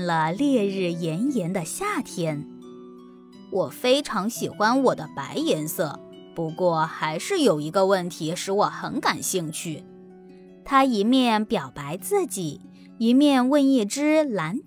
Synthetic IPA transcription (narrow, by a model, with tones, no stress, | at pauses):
nlə˩ljɛ˥˧ɻɻ̩˥˩jɛ˧˥njɛ˧˥nd̪ə˧ɕja˥˩t̪ʰjɛ˥n | wɔ˨˩fe˥ɪʈ͡ʂʰɑ˧˥ŋɕi˨˩xwa˥nwɔ˨˩d̪ə˦pa˧˥ɪjɛ˧˥nsɤ˥˩ | pu˧˥kwɔ˥˩xa˧˥ɪʂɻ̩˥˩jo˨˩ʊi˧˥ɡə˧wə˥˩nt̪ʰi˧˥ʂɻ̩˧˥wɔ˨˩xə˧˥nka˨˩nɕi˥˧ŋt͡ɕʰy˥˩ | t̪ʰa˥i˧˥mjɛ˥˩npjɑ˨˩ʊpa˧˥ɪt͡sɹ̩˥˩t͡ɕi˨˩˦ | i˧˥mjɛ˥˧nwə˥˧ni˥˩ʈ͡ʂɻ̩˥la˧˥n